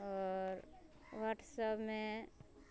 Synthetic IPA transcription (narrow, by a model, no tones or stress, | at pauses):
ɔːɾ | ʋaʈsəbmẽ